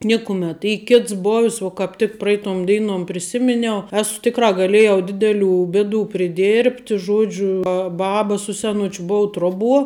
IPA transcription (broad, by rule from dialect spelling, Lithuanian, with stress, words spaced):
ˈnʲɪkʊmʲɛt ˈiː ˈkʲɪts boːwsʲ ʋoː kɐp tʲɪk ˈprɐɪtoːm ˈdʲɛɪnoːm pʲrʲɪˈsʲɪmʲɪnʲɛʊ ˈæːsʊ ˈtʲɪkrɑː ɡɐˈlʲeːjɛʊ ˈdʲɪdʲɛˌlʲuː ˈbʲeːˌduː pʲrʲɪˈdʲeːrʲpʲtʲ ˈʒuɔd͡ʒʲʊ ˈbɑːbɐ sʊ sʲɛˈnʊt͡ʃʲʊ ˈbʊʊ ˈtruɔˌbuɔ